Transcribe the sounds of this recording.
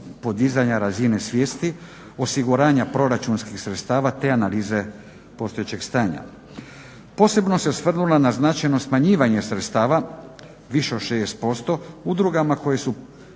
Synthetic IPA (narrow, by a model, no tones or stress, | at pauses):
po̞d̪izaɲaɾazine̞sʋjeːst̪i | o̞siɡuɾaːɲapɾo̞ɾat͡ʃunskixsɾe̞t̪st̪aːʋat̪e̞analiːze̞ | po̞st̪ojet͡ɕe̞ɡst̪aːɲa̰ | po̞ːse̞bno̞se̞sʋr̩nulanaznat͡ʃajno̞smaɲiːʋaɲe̞sɾet̪st̪aːʋa | ʋiʃeod̪ʃeːst̪̚po̞st̪o̞ud̪ɾuɡamako̞jesu